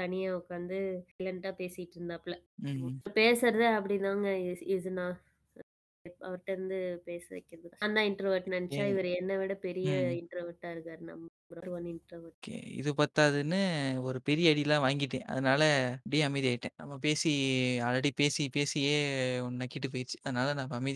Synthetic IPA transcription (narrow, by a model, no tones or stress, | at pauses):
t̪ɐnɪjaːʊkːaːnd̪ɯlɐɳʈaːpeːsɪɪʈːɾɯnd̪aːpːɭɐ | peːsɐɾɐðɯɐpːɐɽinaːŋɡɐɪðɯnãː | ɐʋɐʈːɐɾɯnd̪ɯpeːsɐʋɛ̰kːɐɾɐðɯkːnd̪ãːɪɳʈɾoʋɐɾʈnɐnɛt͡ʃːaːɪʋɐɾɯɛnːɐʋiɽɐpɛɾɪjɐɪɳʈɾoʋɐɾʈːaːɪɾɯkːaːɾnɐ̰mːɐbɾɐɾɯʋɐnd̪ɯɪɳʈɾoʋɐɾkḛɪ̰ðɯpɐɾt̪aːðɯnːɯɔɾɯpɛɾɪjɐɐɽɪjlãːʋaːŋɡɪʈːẽːʔɐ̰ðɐnaːlɐpɽijɐɐmɐɪðiaːɪʈːḛ̃nɐ̰mːapeːsiaːɾɐɽipeːsipeːsɪjeːɔnnɐkːɪʈ̬ːɯp̬oːjɪɾt͡ʃːɯ̥ɐðɐnaːlɐnãːmɐmɐɪði